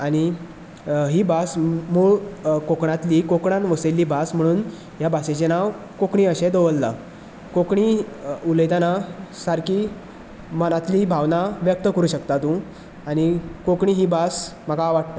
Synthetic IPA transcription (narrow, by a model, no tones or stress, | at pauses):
aɽ̃i | ɦiːbasmuːɭkokɳ̃at̪liːkokɳãnʋəselːiːbasm̤əɽ̃uːn | jabaset͡ɕenaʋ | kokɳiːəɕẽd̪oʋəlːa | kokɳiuləjd̪anasaɾkiː | mənat̪liːbʱaʋnaʋjək̚t̪əkəɾuːɕəkt̪at̪ũ | aɽ̃ikokɳiːɦiːbasməkaʋaɽt̪a